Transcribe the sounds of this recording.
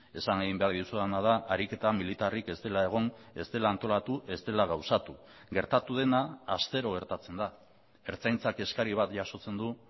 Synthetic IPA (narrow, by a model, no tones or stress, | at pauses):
e̞saŋeɣimbe̞aɾðiusuanað̞aʔaɾike̞t̪amilit̪arike̞st̪e̞lae̞ɣ̞o̞ne̞̰st̪e̞laːnt̪o̞lat̪uʔe̞st̪e̞laɣawsat̪u | ɡe̞ɾt̪at̪uð̞e̞naːst̪e̞ɾo̞ɣ̞e̞ɾt̪at͡se̞nd̪a | e̞ɾt͡sajnt͡sake̞skaɾiβ̞at̪ʝaso̞t͡se̞nd̪u